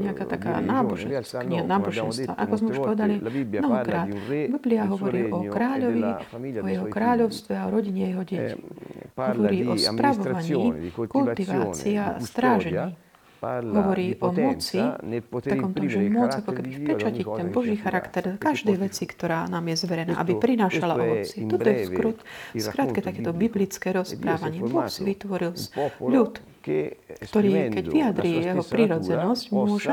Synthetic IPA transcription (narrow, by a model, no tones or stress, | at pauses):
ɲɛakaːt̪aka̰ːnaːbɔʒɛsɲɛanaːbɔʒɛnsʋa̰ʔakɔzmɛuʃpɔʋɛd̪alinɔɦɔkɾaːt̪bibliaɦɔʋɔɾiːʔɔkɾaːʎɔʋiʔɔjɛɛɦɔkɾaːʎɔʊst̪ʋɛaɔɾɔɟiɲɛajɛɦɔɟɛci̥ɦɔʋɔɾiːʔɔspɾaʋɔʋaɲiːkult̪iʋaːt͡siast̪ɾaːʒɛɲiː | ɦɔʋɔɾiːʔɔmɔt͡sit̪akɔmt̪ɔmʒɛmʊɔd͡zakɔkɛbifpɛt͡ʃacict̪ɛnbɔʒiːxaɾakt̪ɛɾkaʒd̪ɛjʋɛt͡sikt̪ɔɾaːnaːmjɛzʋɛɾɛna̰ːʔa̰bipɾinaːʃalaɔʋɔt͡sɪɛt̪ɔt̪ɔjɛskɾutskɾaːt̪kɛt̪akɛːt̪ɔbiblit͡skɛːɾɔspɾaːʋaɲɪɛbɔxsiʋit̪ʋɔɾilsʎut̪ | kt̪ɔɾiːkɛɟʋiad̪ɾiːjɛɦɔpɾiɾɔd͡zɛnɔscmʊɔʒɛ